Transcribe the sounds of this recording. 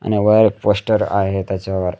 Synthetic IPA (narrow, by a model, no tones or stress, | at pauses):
a̰ñiʋəjɾk̚posʈəɾa̰ɦet̪jat͡ɕjaʋəɾ